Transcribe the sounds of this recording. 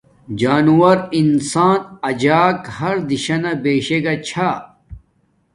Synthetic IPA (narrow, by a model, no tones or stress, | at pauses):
d͡ʑaːnuwɐɾinsaːnɐd͡ʑaːkhɐɾd̪iɕɐnɐbeːɕeɡat͡ɕʰa